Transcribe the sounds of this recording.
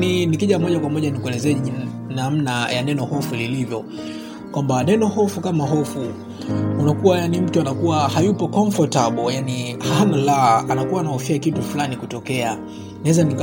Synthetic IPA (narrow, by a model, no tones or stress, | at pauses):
ninikiʄamɔʄakwamɔʄanikuɛlɛzɛ | nam̩najanɛnɔhɔfulilivjɔ | kwambanɛnɔhɔfukamaɦɔfu | unakuwajanim̩tuanakuwahajupɔkɔɱfɔtaɓɔjanihanalaanakuwaːnahɔfiakitufulanikutɔkɛa | niwɛzanik